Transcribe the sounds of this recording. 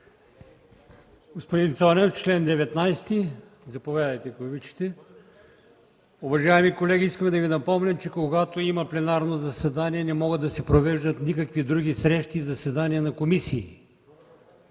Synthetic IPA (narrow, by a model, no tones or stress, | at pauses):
ɡospod̪int̪sɔnɛft͡ʃlɛnd̪ɛvɛt̪najst̪i | zɐpovʲjad̪ɐjt̪ɛkobit͡ʃi̥t̪ɛ | ʊvɐʒaɛmikolɛɡʲiiskəmɛd̪ɐvinɐpɔmnʲɛmt͡ʃɛkoɡat̪oimɐplɛnaɾnozɐsɛd̪aniɛnɛmɔɡəd̪ːɐsɛpɾovɛʒd̪ət̪nikɐkvid̪ɾuɡ̟isɾɛʃt̪izɐsɛd̪aniɐnɐkomisiː